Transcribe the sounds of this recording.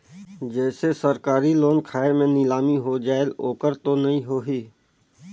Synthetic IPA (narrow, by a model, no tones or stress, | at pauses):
d͡ʒɛːsesəɾkaːɾiloːnkʰaːemẽnɪlaːmiɦod͡ʒaːeloːkəɾt̪onɐɦĩɦoːɦiː